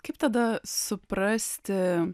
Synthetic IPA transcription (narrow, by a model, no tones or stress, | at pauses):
kɐɪp̚t̪ɐd̪ɐsʊpɾɑsʲt̪ʲɪ